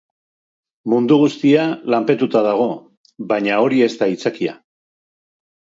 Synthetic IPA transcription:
mund̪uɣ̞ust̪ialampe̞t̪ut̪aðaɣ̞o̞ | βajɲao̞ɾie̞zt̪ait͡sakia̰

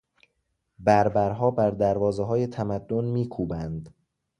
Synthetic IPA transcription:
bæɾbæɾɦɒːbæɾd̪æɾvɒːzeɦɒːje̞t̪ʰæmæd̪ːonmiːkʰuːbænd̪

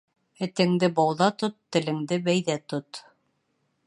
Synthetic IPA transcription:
ɘ̆t̪ɘ̆ŋd̪ɘbɑwðɑt̪ot̪ːɘ̆lɘ̆ŋd̪ɘbæjðæt̪ot̪

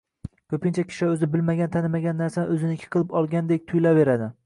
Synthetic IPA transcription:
kʲʰɵpɪnt͡ʃʰakʲʰɪ̥ʃɪɵzɪbɪlmaɡʲant̪ʰanɪmaɡʲanːaɾsaɵzɪnɪkʲʰɪ̥qʰɨlˠɪpɒlˠɡʲand̪ek̚ʲt̪ʰʊjlave̞ɾad̪ɪ

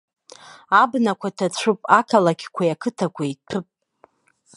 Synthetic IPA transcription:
abnakʷʰatʰat͡ɕʷʰʊpʼakʰalakʲʰkʷʰajakʰɨtʰakʷʰaitʰɨpʼ

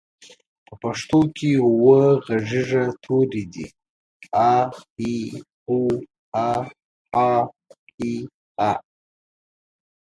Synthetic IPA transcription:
pəpaʂt̪okʰewəɣaʐiʐat̪ʰoɾid̪ḭ | ahi | u | a | a | i | a

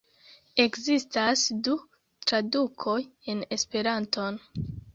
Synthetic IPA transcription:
e̞kzistasdu | tɾadukʰo̞je̞ne̞spe̞ɾanto̞n

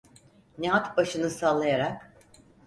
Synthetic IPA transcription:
neɦat̪baʃɯnɯsaːlˠajaɾak

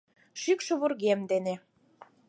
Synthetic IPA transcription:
ʃykʃɤ̆βurɣemd̪ene

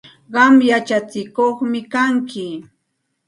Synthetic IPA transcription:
ɢɑmjat͡ʃat͡sɪkoχmɪkaŋkɪ

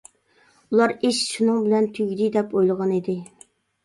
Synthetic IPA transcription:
ulˠɑɾiʃʃunɨŋbɪlɛnt̪ʰyɡʲd̪ɪd̪ɛpojlˠəʁɑnid̪ɪ

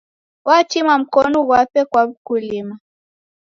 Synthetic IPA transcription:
wat͡ʃimam̩kɔnɔɣwapɛkwaukulima

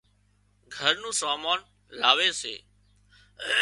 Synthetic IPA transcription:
ɡʱəɾnũːsaːmaːn | laːʋeːsḛː

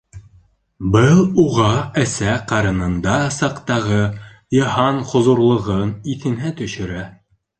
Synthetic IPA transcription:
bɤlˠuʁɑæsæqɑɾɤ̆nɤ̆nd̪ɑsɑqt̪ɑʁɤ | jɤ̆hɑnχŏzuɾlˠɤ̆ʁɤniθɘ̆nɦæt̪ɵ̆ʃɘ̆ɾæ

